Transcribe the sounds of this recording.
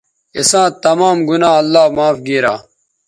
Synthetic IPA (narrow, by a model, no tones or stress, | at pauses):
isãːt̪ɐmaːmɡunãːɐlːaːmaːfɡiːɾa̰ː